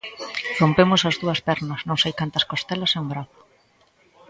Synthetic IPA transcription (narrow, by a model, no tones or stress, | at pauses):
rompemʊsɐzðuɐspɛɾnɐsnõŋsejkant̪ɐskost̪ɛlɐsɛũmbɾaθʊ̥